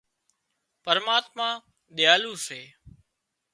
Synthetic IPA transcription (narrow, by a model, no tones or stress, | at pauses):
pəɾmaːt̪mãː | ɗɪjaːluːseː